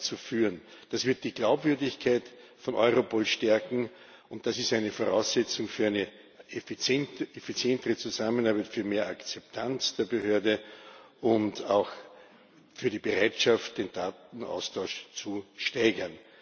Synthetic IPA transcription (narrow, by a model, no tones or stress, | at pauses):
t͡sufyːʁən | d̥asv̥ɪɐt̚d̥iːɡ̥laʊpv̥ʏɐdɪçkʰaɪtfɔ̃nʔɔʏʁopʰoːlʃtɛɐkŋ̩ | ʊntd̥asɪstæɪnəfoʁaʊsɛt͡sʊŋfyːɐæɪnə | ʔefit͡sjɛntefit͡sjɛntəʁət͡suzamənaɐbæɪtfyːɐmeːɐakt͡sɛp̚tʰant͡sd̥eːɐbəhøːɐdəʔʊntaʊx | fyːɐdiːbəʁaɪtʃaftd̥eːnd̥aːtn̩ʔa̰ʊstʰaʊʃt͡suʃtaɪɡɐn